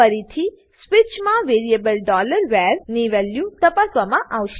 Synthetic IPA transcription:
əɾit̪ʰi | sʋit͡ʃmãʋeɾiebəlɖɔləɾʋɛɾniʋɛljũt̪əpasʋamãʔaʋʃe

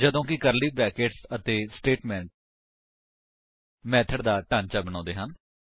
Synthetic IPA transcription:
d͡ʒəd̪õːkɪkəɾliːpɛːkeːʈsət̪eːsʈeːʈmɛ̃ːɳʈ̚ | mɛːt̪ʰəɖd̪aːʈaːnt͡ʃaːbəñɔ̃ːnd̪eːɦən

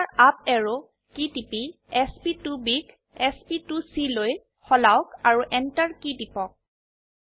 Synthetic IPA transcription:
aɹap̚ɛɹo | kitipi | ɛspitubik | ɛspitusiloj | xɔlawkaɹuʔɛntaɹkidipɔk̚

